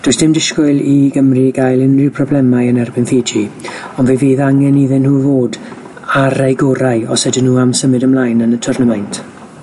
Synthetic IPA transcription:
d̥oːɨsd̥ɪmdɪskʊɨlˠiɡəmriɡajlˠɪnrɪpʰrɔblɛmajənɛrbɪnfeːd͡ʒi | ɔnveːveːðaŋɛniðɪnhuːvoːd | aɾajɡɔɾaɨɔsɛdɪnuːamsəmɨdəmlaːjnənətʰʊrnəmajntʰ

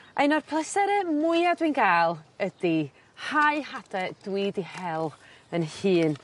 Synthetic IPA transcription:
ʔaɨnɔrpʰlˠəsɛɾɛmʊɨadwinɡaːlˠədi | haɨhadɛd̥wiːdihɛlˠənhɨːn

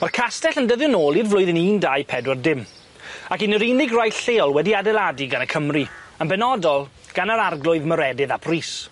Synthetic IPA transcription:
markʰastɛɬəndəðjʊnoːlˠirvlʊɨðɪniːndajpʰɛdwɔrdɪm | akɪnəɾinɪɡrajɬeːɔlˠwɛdiadɛlˠadiɡanəkʰəmriənbɛnɔdɔlˠ | ɡ̥anəɾarɡlˠʊɨðməɾɛdɨðapʰriːs

